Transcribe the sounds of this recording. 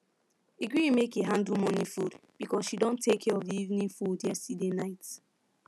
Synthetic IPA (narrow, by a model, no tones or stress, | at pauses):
iɡɹĩmekeɦãndumɔnifudb̥ikɔsʃidõntʰekʰɛɹɔvðiivnĩnfudjɛsidenaɪt